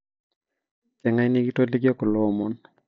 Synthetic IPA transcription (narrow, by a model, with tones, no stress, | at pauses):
kɛ˨ŋa˦jni˦ɡi˦to˦li˦ɡjɔ˦kɔ˨lɔ˦˨mɔ˨n